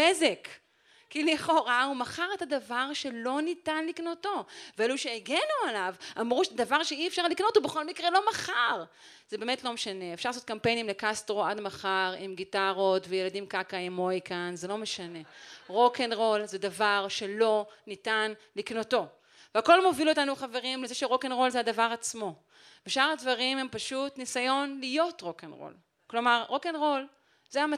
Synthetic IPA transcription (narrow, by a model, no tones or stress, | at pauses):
ezek | kːiliχo̞ʁaumaχaʁe̞tadavaʁʃe̞lo̞nitanliknoto̞veeluʃeːɡenualavamʁuʃezd̪avaʁʃeiefʃaʁlikno̞thubeχo̞lmikʁelo̞maχaʁ | z̥ebemetlo̞meʃaneefʃaʁlasot̚kampejnimlekastʁoadmaχaʁimɡitaʁo̞tvejeladimkakaimojkanzelome̞ʃane̞ʁo̞kenʁo̞lzedavaʁʃe̞lo̞nitanliknoto̞ | veako̞lmo̞viluotanuχaveʁimlezeʃeʁo̞kenʁo̞lzeadavaʁat͡smo̞ | beʃaʁadvaʁimhempaʃutnisajo̞nlijo̞tʁo̞kenʁo̰l | klo̞maʁʁo̞kenʁo̞l | zeama